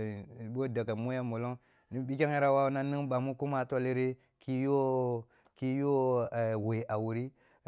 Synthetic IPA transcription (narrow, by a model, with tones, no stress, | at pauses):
bo˦da˨ka˨mo˦ja˦mo˨lo˦ŋ | ni˦bi˦k̬ʲa˦ŋ˦ja˦ɾa˦wa˦u˦na˦ni˦ŋba˨mu˦ku˦ma˦˨to˦li˦ɾe˦ | ki˦jo˦ | ki˦jo˦˨we˨ʔa˨wu˨ɾi˦